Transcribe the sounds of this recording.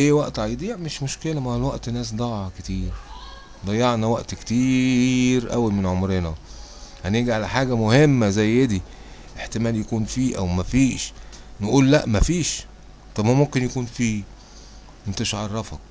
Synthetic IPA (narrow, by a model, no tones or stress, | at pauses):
ʔeːwæʔt̪ʕajd̪ˤiːʕmeʃmoʃkelæmæhælwæʔt̪næːs̬d̪ˤɑʕɑket̪iːɾ | d̪ˤɑjːɑʕnæwæʔt̪kt̪iːɾʔæ̰wimenʕomɾenæ | hæneɡiʕalæħaːɡæmohemːæzæjːed̪i | ʔeħt̪emæːljækuːnfiːʔæwmæfiːʃ | nʔuːlːæʔmæfiːʃ | t̪ˤɑbmæmomkenjækuːnfiː | ent̪æʃʕɑrˤːɑfɑk